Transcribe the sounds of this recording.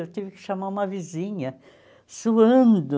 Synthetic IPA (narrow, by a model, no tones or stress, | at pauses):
ewt̪ivɪkɪ̥ʃamaũmɐvizĩɲɐ | suɐ̃nd̪ʊ